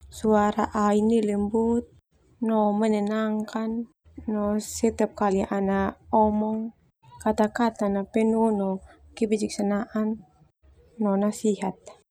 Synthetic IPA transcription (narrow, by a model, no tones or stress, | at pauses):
suaɾaʔainilɛmbut̪̚ | nɔmənɛnaŋkanː | ɔsɛt̪ɛp̚kaliʔanaɔmɔŋ | kat̪akat̪anapɛnunɔ | kibid͡ʒik̚sanaʔanː | ɔnasiɦat̪̚